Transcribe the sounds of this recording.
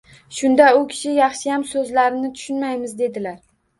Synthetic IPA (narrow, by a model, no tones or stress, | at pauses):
ʃʊnd̪aʊkʲʰɪ̥ʃɪjɑχʃɪjamsɵzlaɾɪnɪt̪ʰʊ̥ʃʊnmajmɪzd̪e̞d̪ɪlaɾ